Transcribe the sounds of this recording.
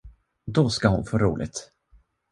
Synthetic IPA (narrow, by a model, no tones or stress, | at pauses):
d̪ɔskahʊnfoːɾṵːlɪ̰ɡt̪